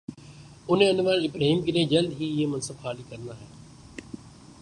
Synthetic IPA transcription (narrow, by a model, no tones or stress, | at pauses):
ʊnẽənʋəɾɪbɾaːɦiːmkɪnẽːd͡ʒəld̪ɦiːɪɦemənsəbxaːliːkəɾnd̪aːɦɛː